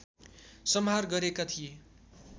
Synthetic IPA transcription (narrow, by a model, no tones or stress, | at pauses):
sʌmɦarɡʌɾekat̪ʰije